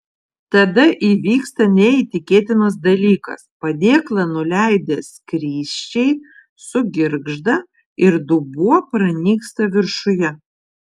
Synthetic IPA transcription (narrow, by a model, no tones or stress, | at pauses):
t̪ɐd̪ɐʔiːʋʲiːkst̪ɐnʲɛiːt̪ʲɪkʲeːt̪ʲɪnɐs̬d̪ɐlʲiːkɐ̰spɐd̪ʲeːklˠɐnʊlʲæɪd̪ʲeskɾʲiːʃʲt͡ʃʲɛɪ | sʊɡʲɪɾɡʒd̪ɐ | ɪɾd̪ʊbuɔpɾɐnʲiːkst̪ɐʋʲɪɾʃʊjɛ